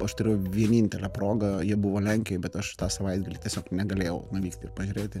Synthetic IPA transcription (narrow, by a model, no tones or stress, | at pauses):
ɐʃt̪ʊɾʲeːjʊʋʲiɛnʲiːnʲt̪ʲɛlʲæproːɡɐjiɛbʊʋoːlʲɛŋʲkʲɛjbʲɛt̪ɐʃt̪ɑːsɐʋɐɪd̪ɡɐlʲɪtʲɛsʲoːknʲɛɡɐlʲeːjɛʊnʊʋʲiːkt̪ʲɪ̰rpɐʒʲuɾʲeːt̪ʲɪ